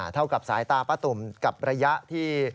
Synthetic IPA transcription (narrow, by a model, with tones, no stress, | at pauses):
t̪ʰa˥˩wka˨˩p̚saː˩˦jt̪aː˧pa˧˥t̪u˨˩mka˨˩p̚ɾa˧ja˦˥ʔt̪ʰiː˥˩